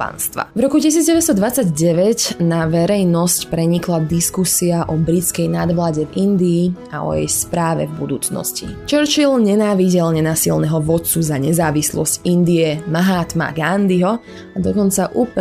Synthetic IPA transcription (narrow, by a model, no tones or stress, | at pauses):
pa̰nst̪ʋa̰vɾɔkucis̬iːd͡zɟɛʋɛst̪ɔd̪ʋat͡saɟɟɛʋɛcnaʋɛɾɛjnɔscpɾɛɲiklad̪iskusiaʔɔbɾit͡skɛjnad̪ʋlaːɟɛvind̪iː | a̰ɔ̰jɛ̰jspɾaːʋɛ̰vbud̪ṵːt͡snɔ̰scḭt͡ʃɛɾt͡ʃilɲɛnaːʋiɟɛlɲɛnasilnɛɦɔʋɔt̪t͡suzaɲɛzaːʋislɔ̰scind̪iɛmaɦaːt̪ma̰ɡand̪iɦɔ | ad̪ɔkɔnt͡saʔup